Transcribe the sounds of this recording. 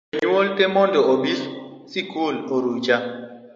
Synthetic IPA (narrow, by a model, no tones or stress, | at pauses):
eɲuoltʼɛmɔndɔoɓiɬsikuloɾut͡ʃʼa